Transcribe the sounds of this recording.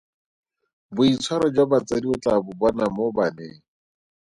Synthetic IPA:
bʊit͡sʰwaɾɔd͡ʒabat͡sʼadiɔt͡ɬʼabʊbɔnamobanḛːŋ̩

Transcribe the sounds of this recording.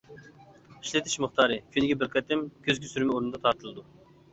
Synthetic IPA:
iʃlɪt̪ʰɪʃmʊχt̪ʰɑːɾɨkʲʰynɪɡʲɛbɪɾqʰɛt̪ʰɪmkʲʰøzɡʲisyɾmɛoɾunɨd̪ɑt̪ʰɑɾt̪ʰɨlˠɨd̪u

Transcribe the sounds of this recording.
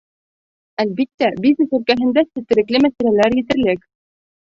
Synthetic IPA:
ælbit̪ːæbʲiznɘsɵ̆lkæɦɘ̆nd̪æsɘ̆t̪ːɘ̆ɾɘ̆klɘmæsælælæɾjɘ̆t̪ɘ̆ɾlɘk

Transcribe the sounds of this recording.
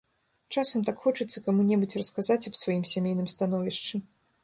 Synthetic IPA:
t͡ʂasɐmt̪akxɔt͡ʂɨt̪sːɐkamunʲɛbut͡sʲrɐskazat͡sʲɐbsvajimsʲamʲejnɨmst̪an̪ɔvʲiʂt͡ʂɨ

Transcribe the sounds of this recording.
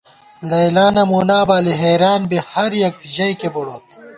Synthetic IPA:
lɐjlaːnɐmuːnaːbaːliɦeːɾaːnbehɐɾjɐk̚t̪ʑɐjkebɐɽoːt̪

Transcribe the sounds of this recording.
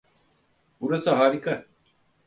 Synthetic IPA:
uɾɐsɐɦaːɾikɐ

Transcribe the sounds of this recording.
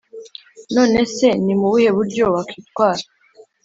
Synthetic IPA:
no̞ːne̞se̞nimuβuhe̞βuɾɟo̞βakʰiːt̪̚kwaːɾa

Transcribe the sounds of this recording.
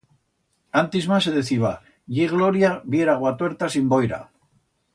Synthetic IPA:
ant̪izmas̬eðeθiβ̞a̰ | ʝiɣlo̞ɾjaβje̞ɾaɣwat̪weɾt̪asimbo̞jɾa̰

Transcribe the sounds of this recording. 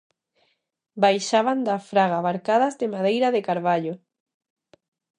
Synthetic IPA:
bajʃaβand̪afɾaɣaβaɾkaðazðemaðejɾaðekaɾβaʎo

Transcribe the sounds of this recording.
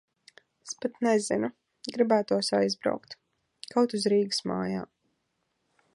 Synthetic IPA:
espat̪nɛzinu | ɡɾibæːt̪uɔsajzbɾa̰wkt̪ | kawt̪uzɾiːɡɨ̥sma̰ːja̰ː

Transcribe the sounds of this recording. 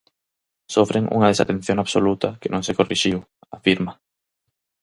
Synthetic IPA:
sofɾeŋṵŋaðesa̰t̪en̟θjõŋaβsolut̪ɐkenʔõŋsekoriʃiw | afiɾma

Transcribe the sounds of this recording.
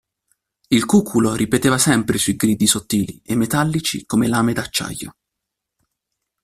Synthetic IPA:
ilkuːkʰuloɾipet̪eːvasɛmpɾesuiɡɾiːd̪isot̪ːiːliemːet̪alːit͡ʃḭkomelaːmed̪at͡ʃːa̰jːo̰

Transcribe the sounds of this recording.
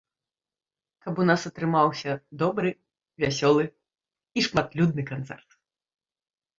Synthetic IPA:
kɐpunasɐt̪ɾɨmawsʲɐd̪ɔbɾɨ | vʲasʲɔlˠɨ | iʂmat̪lʲud̪̚nɨkant̪sɛ̰rt̪

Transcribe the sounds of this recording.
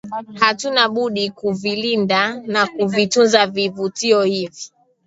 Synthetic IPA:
hatunaɓuɗikuvilindanakuvitunzavivutiɔhivi

